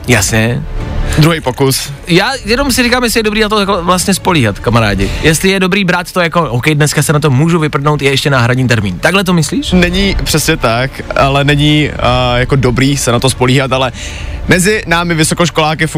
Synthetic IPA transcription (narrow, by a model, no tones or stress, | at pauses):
jasɲɛ | d̪ɾuɦɛjpokusjaːjɛno̞msɪɾikaːmjɛs̬lɪjɛdobɾiːnat̪okovlast̪ɲɛspo̞liːɦat̪kamaɾa̰ːɟɪjɛst̪lɪjɛdobɾiːbɾaːt̪t̪ojako̞ʔowkɛjdnɛskasɛnat̪̬omuːʒuvɪpr̩nowt̪jɛɛʃcɛnaːɦɾaɲiːt̪ɛɾmiːnt̪aɡlɛt̪̬omɪsliːʃnɛɲipr̝̥ɛsɲɛt̪akalɛnɛɲɪjakodobɾiːsɛnat̪ospoliːɦat̪alɛ | mɛzɪnaːmɪvɪsokoʃkolaːkɪf